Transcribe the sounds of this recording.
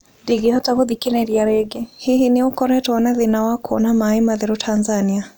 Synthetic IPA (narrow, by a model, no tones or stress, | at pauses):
deɡihɔtaɣoðikenɛɾiaɾeɡehiɦinɪokɔɾɛtɔɔnaðinawakʰɔnamaimaðɛɾotʰanzania